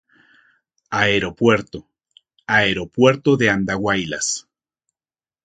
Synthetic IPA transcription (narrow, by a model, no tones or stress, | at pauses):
aeɾo̞pwe̞ɾt̪o | aeɾo̞pwe̞ɾt̪oðeand̪aɣwajla̰s